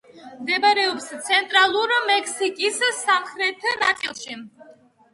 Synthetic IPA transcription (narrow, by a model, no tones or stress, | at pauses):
md̪ɛbaɾɛɔpst̪t͡s̪ʰɛnt̪ʼɾaluɾmɛkʰsikʼissamχɾɛt̪ʰɨna̰t̪sʼilˠʃi